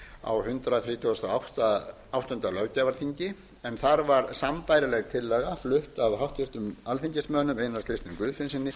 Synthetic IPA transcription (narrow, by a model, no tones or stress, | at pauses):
a̰whʏnt̪ɾaθɾiːt̪ʰowɛst̪aawht̪a | awht̪ɔʏnt̪alœwcavaɾθiɲcɪ | ɛnθaɾvaɾsampaːjɾɪlɛɣt̪ʰɪlːɛːɣaflʏht̪avɦawht̪ʏr̥t̪ʏmalθiɲcɪsmœːnʏmejnaɾkʰɾɪjst̪nʏmkvʏːðfɪnsɪnːɪ